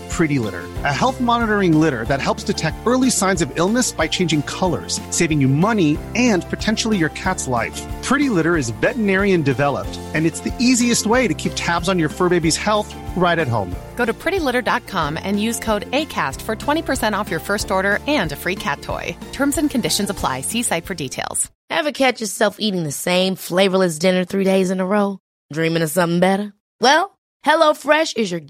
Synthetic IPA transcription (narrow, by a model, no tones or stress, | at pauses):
pʰɹ̥ɪɾilɪ̰ɾə̰˞ɨhɛlˠθmɑnəɾə˞ɪ̃ŋlɪɾə̰˞ðɨt̚hɛlˠpstʰɨtʰɛk̚tɜ˞lˠisãɪ̃nzʌvɪlˠnɨsb̥aɪt͡ʃʰẽɪ̃nd͡ʒɪ̃ŋkʰʌlˠə̰˞z̥seɪvɪ̃ŋjɨmʌniɨ̃npʰɨtʰɛ̃nʃl̩ˠijə˞kʰætslaɪfpʰɹ̥ɪɾilɪɾə˞ɨzvɛʔnɛɹiɨ̃ndɨvɛlˠə̰p̚t | ɨ̃nɨtsðiʔiziɨst̚weɪɾɨkʰip̚tʰæbzn̩jə˞fɜ˞beɪbiz̥hɛlˠθ | ɹaɪɾɨt̚ɦõ̰ʊ̃mɡ̥oʊɾɨpʰɹ̥ɪɾilɪɾə˞dɑt̚kʰɑ̃mɨ̰̃njʉz̥kʰoʊɾeɪkʰæ̰stfə˞tʰw̥ɛ̃ɾ̃ipʰə˞sɛ̃ɾ̃ɔfjə˞fɜ˞stɔɹɾə˞ɨ̃ndɨfɹikʰæ̰tʰɔ̰ɪtʰɜ̃˞mzɨ̃nkʰɨ̃ndɪʃɨ̃n̩zəpʰl̥a̰ɪsisaɪtfə˞ditʰeɪlˠz̥ | hɨvɨkʰæt͡ʃə˞sɛlˠfiɾɪ̃ŋðɨsẽɪ̃ɱfleɪvə˞lɨs̬d̥ɪ̃nə˞θɹideɪzɨ̃nəɹoʊ | dɹĩmɪ̃ŋɨsʌ̃mθɪ̃ŋbɛɾə˞ | wɛlˠ | hɛloʊfɹɛʃɨzjə˞